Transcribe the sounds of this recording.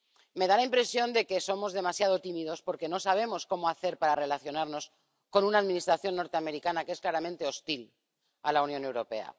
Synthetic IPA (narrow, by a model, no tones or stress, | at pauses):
me̞ðalaimpɾe̞sjo̞nd̪e̞ke̞so̞mo̞zðe̞masjað̞ot̪imiðo̞spo̞ɾke̞no̞saβ̞e̞mo̞sko̞moaθe̞ɾpaɾare̞laθjo̞naɾno̞s | ko̞nunaːðmĩnist̪ɾaθjo̞nːo̞ɾt̪eame̞ɾikanakee̞sklaɾamẽnt̪e̞o̞st̪il | alaunjone̞wɾope̞̰a̰